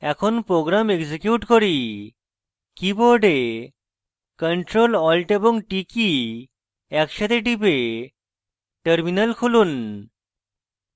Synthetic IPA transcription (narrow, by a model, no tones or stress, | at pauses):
ɛkʰonpɾoɡɾamekd͡ʑikjuʈkɔɾi | kiboɖe | kəɳʈɾolɔlʈeboŋʈiki | ɛkʃat̪ʰeʈibe | ʈəɾminəlkʰulun